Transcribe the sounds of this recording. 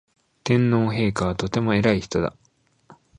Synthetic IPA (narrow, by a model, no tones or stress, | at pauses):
t̪ẽ̞nːo̞ːɦe̞ːkaβ̞at̪o̞t̪e̞mo̞e̞ɾaiçi̥t̪o̞d̪a̰